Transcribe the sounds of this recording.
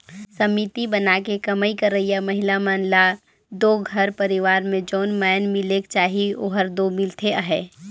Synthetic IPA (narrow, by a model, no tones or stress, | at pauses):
səmit̪ibənakekəməikəɾəɦijamɐɦɪlamaːnla | d̪oːɡʱəɾpəɾɪʋaːɾmẽd͡ʒoːnmɛːnmɪlekt͡ʃaːɦioːɦəɾd̪omɪlt̪ʰeəɦɛː